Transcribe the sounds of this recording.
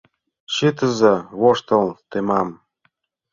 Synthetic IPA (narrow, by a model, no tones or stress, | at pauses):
ɕit̪ə̆zɤ̆βoʃt̪ɤ̆lt̪emɑm